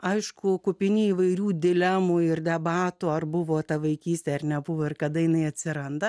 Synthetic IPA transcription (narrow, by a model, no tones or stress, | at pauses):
ɐɪʃkʊkʊpʲɪnʲiːʋɐɪɾʲuːd̪ʲɪlʲɛmuɪrd̪ʲɛbɑːt̪ʊɐrbʊʋoːt̪ɐʋɐɪkʲiːsʲt̪ʲɛɐrnʲɛbʊʋoːɪrkɐd̪ɐjɪnɐɪɐt̪ʲsʲɪɾɐnd̪ɐ